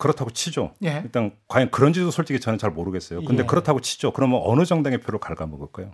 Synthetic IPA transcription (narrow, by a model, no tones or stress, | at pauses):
kɯɾʌtʰaɡot͡ɕʰid͡ʑoeit͈ankwajʌnkɯɾʌnd͡ʑidosʰoɭt͡ɕ͈iɡit͡ɕʌnent͡ɕaɭmoɾɯɡe̞s͈ʌjokɯndekɯɾʌtʰaɡot͡ɕʰi̥d͡ʑokɯɾʌmjʌnʌnɯd͡ʑʌŋdaŋepʰjoɾoɭkaɭɡamʌɡʌɭk͈ajo